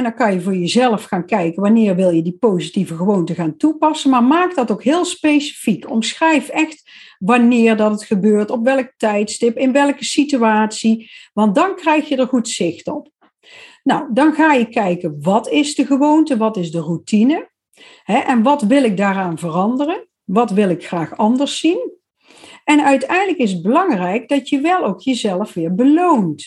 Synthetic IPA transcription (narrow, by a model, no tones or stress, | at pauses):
ndɑnkɑnjəvʊːɹjəzɛləfxaːnkɛjkənʋɑnɪːɹʋɪlˠjədipowzitivəɣəʋowntəɣaːntupɑsənmaːɹmaːk̚dɑtowkɦɪːlˠspejsi̥fikɔ̰msxrɛjfɛxt | ʋɑnɪːrdɑtətχəbøːɹtɔpʋɛlˠək̚tɛjtstɪpɪnʋɛlˠkəsityaːtsiʋɑnt̚dɑnkrɛjxjədəɹχutsɪxtɔp̚ | nawdɑnɣaːjəkɛjkənʋɑtɪzdəɣəʋowntəʋɑtɪzdərutinə | ɦɛʔɛnʋɑtʋɪlˠɪɡ̚daːraːnvərɑndərən | ʋɑtʋɪlˠɪkxraːxɑndəɹsin | ɛnœɥtɛjndləkɪs̬əd̚bəlɑŋrɛjk̚dɑtjəʋɛlˠowkjəzɛləfʋɪːɹbəlownt